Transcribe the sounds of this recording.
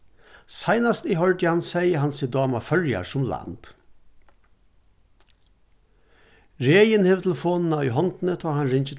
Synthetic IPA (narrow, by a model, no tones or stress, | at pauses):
saɪnast̪iɦœɹd̪jəhansɛɪəɦansid̪ɑːmafœɹja̰ʂʊmla̰nd̪̥ | ɾeːjənhɪʋət̪ʰɛlfoːnn̩aʏɦɔnt̪nət̪ʰɔːhanɾɪɲt͡ʃət̪